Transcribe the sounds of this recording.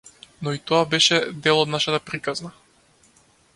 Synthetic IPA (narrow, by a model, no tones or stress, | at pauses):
nɔit̪ɔabɛʃɛd̪ɛlˠɔd̪naʃat̪apɾikazna